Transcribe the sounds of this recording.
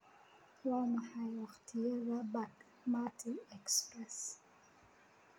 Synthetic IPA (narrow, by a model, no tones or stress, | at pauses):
wamahajɔxtʰiɛvabak | matʰiɛkspɾɛs